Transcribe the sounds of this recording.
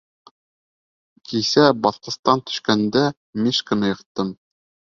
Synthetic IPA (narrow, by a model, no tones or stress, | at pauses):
kʰisæbɑθqɤ̆st̪ɑnt̪ɵ̥̆ʃkænd̪æ | miʃkɤ̆nɤjɤ̆qt̪ːɤm